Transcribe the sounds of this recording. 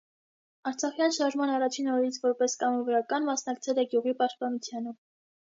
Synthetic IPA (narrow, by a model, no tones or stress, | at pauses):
ɑɾt͡sʰɑχjɑnʃɑɾʒmɑnɑrɑt͡ʃʰinɔɾɛɾit͡sʰvɔɾpɛskɑmɔvəɾɑkɑnmɑsnɑkt͡sʰɛlɛɡjuʁipɑʃt̪̚pɑnut͡sʰjɑnə